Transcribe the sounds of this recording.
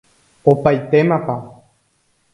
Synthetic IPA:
opajt̪e̞mãpa

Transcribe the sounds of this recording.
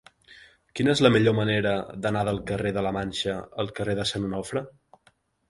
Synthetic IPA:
kinəezləmiʎoməneɾəðənaðəlˠkəreðələmanʲʃəəlˠkəreðəsənunɔfɾə

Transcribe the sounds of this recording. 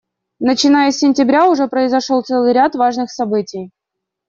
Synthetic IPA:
nət͡ɕɪnajəsʲːɪnʲtʲɪbɾʲaʊʐɛpɾəɪzɐʂolˠt̪sɛlˠɨjɾʲat̪vaʐnɨxsɐbɨtʲɪj

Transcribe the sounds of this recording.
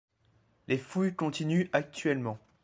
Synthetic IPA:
lefujkɔ̃t̪inyak̚t̪ɥɛlmɑ̃

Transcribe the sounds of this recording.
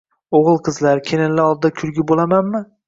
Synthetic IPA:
oʁɨlˠqʰɨzlaɾkʲʰenɪnlɪɒlˠd̪ɪd̪akʲʰʊlɡʲɪbolamanmɪ

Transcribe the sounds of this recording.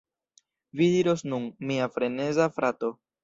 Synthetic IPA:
vidiɾo̞snunmiafɾe̞ne̞zafɾato̞

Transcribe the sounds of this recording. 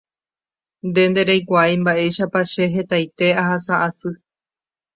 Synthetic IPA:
nd̪e̞nd̪e̞ɾejkʷaajmbaʔe̞jʃapaʃe̞ɦe̞t̪ajt̪e̞aɦasaʔasɨ

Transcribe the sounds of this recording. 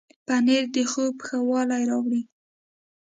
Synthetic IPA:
paneɾd̪əxopxawɑlajɾɑwɽi

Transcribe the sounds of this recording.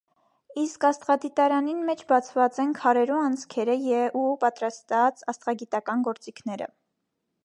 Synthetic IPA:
iskɑst̪ʁɑd̪it̪ɑɾɑninmɛt͡ʃʰbɑt͡sʰvɑt͡sɛnkʰɑɾɛɾuɑnt͡sʰkʰɛɾəjɛupɑt̪ɾɑst̪ɑt͡sɑst̪ʁɑɡit̪ɑkɑnɡɔɾt͡sikʰnɛɾə̰

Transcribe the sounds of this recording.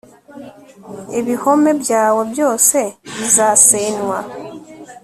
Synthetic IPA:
eβiho̞me̞βjaːweβjo̞ːseβizaseːnwa

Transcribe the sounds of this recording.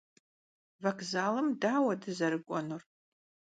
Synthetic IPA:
vɐkzaːlɨmdaːwɐdɨzɐɾɨɡʷʼɔnur

